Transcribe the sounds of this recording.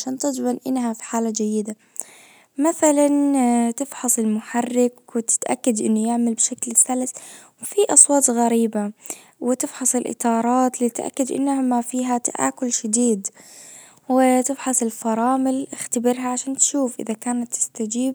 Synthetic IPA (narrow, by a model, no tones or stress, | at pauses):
ʃaːnt̪ɪd͡ʒbanʔɪnːɦafi̥ħaːlad͡ʒajːɪd̪a | maθalant̪ɪfħɑsˤɪlmʊħarːɪkwɪt̪ɪ̥t̪ʔa̰kːad̪ʔɪnːʊjɪʕmalbʃaklθalswfiʔɑsˤwɑːt̪ˤɣaɾiːba | wɪt̪ɪfħɑsˤɪlʔɪ̰t̪ˤɑːɾˤɑːt̪lit̪ʔa̰kːad̪ʔɪ̰nːaamafiːɦat̪a̰ʔa̰ːkʊlʃad̪iːd̪ | wɪt̪ɪfħɑsˤɪlfɑɾˤɑːmɪlʔɪxt̪abɪɾɦaʕaʃaːnt̪ʃuːfʔɪ̰ðakaːnat̪ːɪ̥st̪ad͡ʒiːb̚